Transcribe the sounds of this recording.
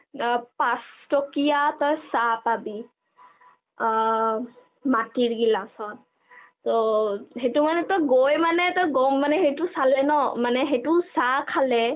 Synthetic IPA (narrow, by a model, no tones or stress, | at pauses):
pastɔkijatɔjsapabi | matiɹɡilasɔt | tɔɦejtumanɛtɔjɡojmanɛtɔjɡɔmːanɛɦejtusalɛnɔmanɛɦejtʊsakʰalɛ